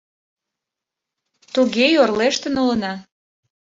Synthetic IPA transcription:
t̪uɣejorleʃt̪ə̆nolənɑ

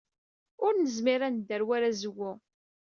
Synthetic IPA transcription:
ʊɾnəzmiɾænd̪ːəɾwaɾæzəwːʊ

